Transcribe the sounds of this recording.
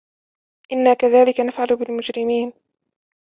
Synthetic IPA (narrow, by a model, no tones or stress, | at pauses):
ʔɪnːaːkaðaːlɪkanafʕalʊbɪlmʊd͡ʒɾɪmiːn